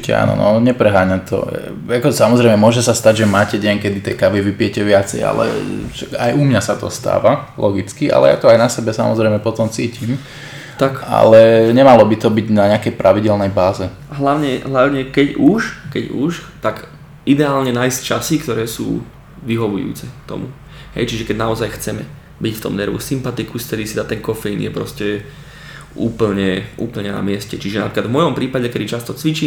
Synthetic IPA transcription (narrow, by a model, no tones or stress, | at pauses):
cɛ̰a̰ːnɔ̰nɔ̰ɲɛpɾɛɦaːɲat̪ɔ̰ | akɔsamɔzɾɛjmɛmʊɔʒɛsast̪aɟʒɛmaːcɛɟɛŋkɛd̪it̪ɛ̰jkaʋiʋipɪjɛcɛʋɪat͡sɛ̰ja̰lɛ̰ʃakajʔumɲasat̪ɔ̰st̪a̰ːʋalʔɔɡit͡skiʔa̰lɛ̰ja̰ːt̪ɔajnasɛbɛsa̰mɔzɾɛjmɛpɔt̪ɔmt͡siːcim | t̪aka̰lɛɲɛmalɔbit̪ɔbiɟnaɲɛakɛjpɾʔaʋiɟɛlnɛjbaːzɛ | ɦlaʊɲɛɦlaʊɲɛkɛɟuʃkɛɟuʃt̪aɡ | id̪ɛaːlɲɛnaːjsct͡ʃasikt̪ɔɾɛːsṵː | ʋiɦɔʋṵjṵːt͡sɛkt̪ɔ̰mu | ɦɛ̰jt͡ʃiʒɛkɛɟnaɔzajxt͡sɛmɛ̰ | bicft̪ɔ̰mnɛɾʋṵsimpat̪ikusft̪ɛd̪isid̪at̪ɛŋkɔfɛinjɛpɾɔscɛ | ʔuːpl̩ɲɛʔṵːpl̩ɲɛna̰mɪɛscɛt͡ʃiʒɛna̰pɾiklad̪vmɔjɔmpɾiːpaɟɛkɛd̪it͡ʃast̪ɔt͡sʋit͡ʃiː